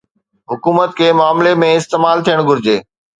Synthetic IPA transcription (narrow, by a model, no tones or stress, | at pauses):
ɦʊkuːmət̪̚kʰeːmaːmlemẽɪst̪eːmaːlt̪ʰijəɽ̃ɡʱʊɾɪd͡ʑeː